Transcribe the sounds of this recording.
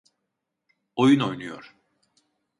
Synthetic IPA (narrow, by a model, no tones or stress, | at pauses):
o̞juno̞jnujo̰ɾ̥